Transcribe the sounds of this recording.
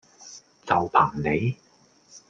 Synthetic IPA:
t͡sɐ˨wpʰaː˨˩ŋne˨˧j

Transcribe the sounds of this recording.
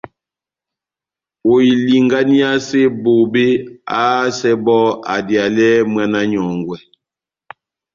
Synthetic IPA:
o˨i˨li˨ŋɡa˦ni˦a˦se˦bo˨be˦a˦sɛ˦bɔ˦a̰˨dja˨lɛ˦mwa˦na˦ɲɔ˨ŋɡwɛ˨

